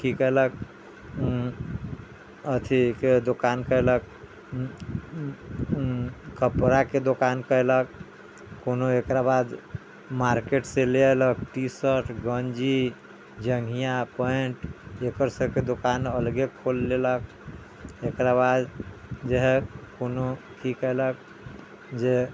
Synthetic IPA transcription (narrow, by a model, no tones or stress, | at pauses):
kikəɦlək̚ | ət̪ʰiked̪okankəelək̚ | kʰəpɾaked̪okankəelək̚ː | onoekɾabad̪ | maɾkeʈseleləkʈisəɾʈʰɡənd͡ʒi | d͡ʒəŋɡʱijapəeɳʈekəɾsəbked̪okanəlɡekʰolːelək̚ | ekɾabad̪d͡ʒeɦekono | kikəelək̚ | d͡ʒe